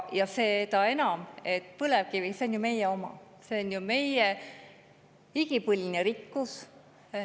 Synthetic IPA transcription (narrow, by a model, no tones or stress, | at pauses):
jɑse̞ːt̪ɑe̞nɑme̞t̪ːˑpɤlev̥̚kiviseonʲjume̞jeo̞mɑ̰ | se̞onjume̞je | iɡ̥ipɯlʲneɾikːus